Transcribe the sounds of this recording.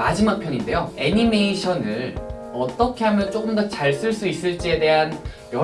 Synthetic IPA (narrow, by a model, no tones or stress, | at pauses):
ad͡ʑimak̚pʰjʌɲinde̞joe̞ɲime̞iɕʰʌnɯɭ | ʌt͈ʌkʰe̞ɦamjʌnt͡ɕ͈oɡɯmdʌt͡ɕaɭs͈ɯɭs͈uis͈ɯɭt͡ɕ͈ie̞de̞ɦan | jʌ